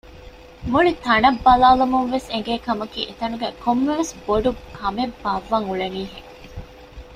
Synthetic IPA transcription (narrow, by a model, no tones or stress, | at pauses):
muɭit̪ɐnɐbːɐlaːlumuŋʋeseŋɡeːkɐmɐkḭːʔet̪ɐnuɡæːkʰomːeʋesboɖukʰɐmebːɐʋːɐŋuɭeniːɦeŋ